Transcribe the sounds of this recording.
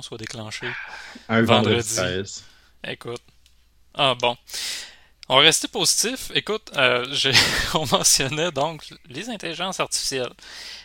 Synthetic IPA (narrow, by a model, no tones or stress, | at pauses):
swad̪eklɑ̃ːʃẽ | vɑ̃d̪ʁəziɛz | ḛkʊt̪̚ | ɑbɔ̃ | ɔ̃vʁɛst̪epozit̪ɪfekʊt̪øʒeɔ̃mɑ̃sjɔnɛd̪ɔ̃klezɛ̃t̪eliʒɑ̃saʁt̪si̥fi̥sjɛl